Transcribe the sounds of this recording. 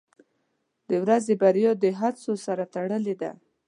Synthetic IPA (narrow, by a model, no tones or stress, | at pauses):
d̪əwɾazebaɾjod̪əɦat͡sosaɾat̪aɽəled̪a̰